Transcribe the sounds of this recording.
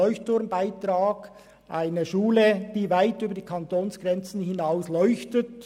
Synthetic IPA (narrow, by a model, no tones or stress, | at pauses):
ɔʏçtʊɐnbaɪtʁaːɡ | ʔaɪnəʃuːləd̥iːvaɪtyːbɐdiːkʰɑntoːnsɡ̥ʁɛnt͡sn̩hɪnaʊslɔʏçtət